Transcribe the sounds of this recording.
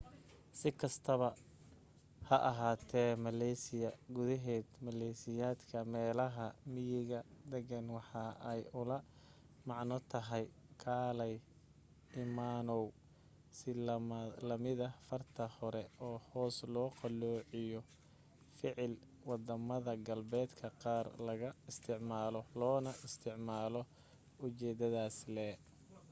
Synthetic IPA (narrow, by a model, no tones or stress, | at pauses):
sɪkʰɐst̪ʰɐβɐ | hɐʔɐɦaːt̪ʰɛːmɐlɛjsɪjɐɡʊðɐɦɛːd̪mɐlɛsɪjaːd̪kʰɐmɛːlɐɦɐmɪjɪɣɐd̪ɛɣɐnwɑħɑʔɛjʊlɐ | mɑʕnɔt̪ʰɐɦɛj | kʰaːlɛj | ɪmaːnɔw | sɪlɐmlɐmɪðɐfɐrt̪ʰɐhɔɾɛɔːhɔːslɔːqɑlɔːʕɪjɔ | fɪʕɪl | wɑd̪ɐmɐðɐɡɐlbɛːd̪kʰɐqɑːrlɐɣɐɪst̪ʰɪʕmaːlɔlɔːnɐʔɪst̪ʰɪʕmaːlɔ | ʊt͡ʃɛːd̪ɐðaːslɛː